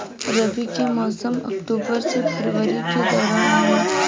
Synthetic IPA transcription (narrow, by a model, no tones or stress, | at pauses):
ɾɐbikemɔːsəmɐ̰kʈuːbəɾsepʰɐɾʋəɾiked̪ɔːɾaːnaɦe